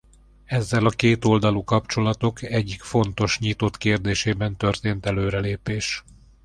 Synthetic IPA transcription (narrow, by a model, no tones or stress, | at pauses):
ɛzːɛlɒkeːt̪o̞ld̪ɒlukɒpt͡ʃo̞lɒt̪o̞kɛɟːikfo̞n̪t̪o̞ʃɲit̪o̞t̪keːrd̪eːʃeːbɛnt̪ø̞rt̪eːnt̪ɛløːɾɛleːpeːʃ